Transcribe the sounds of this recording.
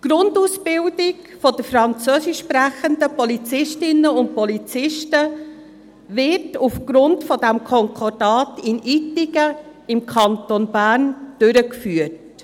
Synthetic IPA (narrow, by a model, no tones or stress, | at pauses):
ɡ̥ɾʊndusb̥ɪldɪkfɔd̥əfɾɑnt͡søːsɪʃːpɾæχəndəpɔlit͡sɪʃtɪnːəʊnt̚pɔlit͡sɪʃtə | vɪtufɡ̥ɾʊntfɔdæmkʰɔŋkʰɔd̥ɑːtɪnitɪɡə | ɪmkʰɑntonbæːɾnd̥ʏɾəkfyːət